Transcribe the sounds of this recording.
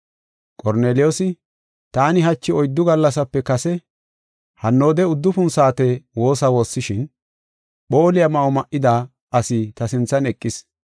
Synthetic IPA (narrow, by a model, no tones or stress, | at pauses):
kʼɔɾne̞ːlɪjoːsɪ | t̪aːnɪɦɐt͡ʃːɪɔjd̪ːʊɡɐlːɐsɐpːɛkɐsɛ | hɐnːo̞ːd̪ɛʊd̪ːʊfʊnsaːt̪ɛwo̞ːsɐwo̞ːsːɪʃɪn | ɓo̞ːlɪjɐmɐɔmɐʔɪd̪a | ʔɐsɪt̪ɐsɪnt͡sːɐnɛkʼːɪs